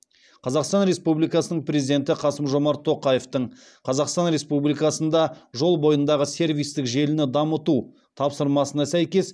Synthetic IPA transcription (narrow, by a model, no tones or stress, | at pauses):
qʰɑzɑqst̪ɑnɾe̞spublijkɑsənəɴpɾʲe̞zʲid̪e̞nt̪ɪqʰɑsəmʒo̞mɑɾt̪ʰːo̞qɑjeft̪əɴ | qʰɑzɑqst̪ɑnɾe̞spublijkɑsənd̪ɑʒo̞lˠbo̞jənd̪ɑʁəse̞ɾvʲijst̪ɪkʒe̞lɪnɪd̪ɑmət̪u | t̪ʰɑpsəɾmɑsənɑsæjkʲe̞s